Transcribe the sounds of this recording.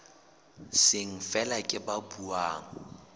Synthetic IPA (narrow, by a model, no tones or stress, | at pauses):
sɪŋ̩fɛlakʼɪbabuaːŋ̩